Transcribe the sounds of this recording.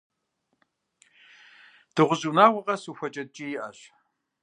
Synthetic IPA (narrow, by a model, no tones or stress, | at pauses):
d̥ɨʁʷʊʑuːnaːwʷɐʁɐsuxʷɐt͡ʃʼɐt̚ʼt͡ʃʼijɪʔɐɕ